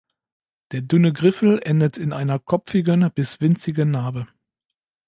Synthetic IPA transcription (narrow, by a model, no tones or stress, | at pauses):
d̥eːɐdʏnəɡʁɪfl̩ʔɛndətʰɪnʔaɪnɐkʰɔpp͡fɪɡənb̥ɪsv̥ɪnt͡sɪɡənːaːbə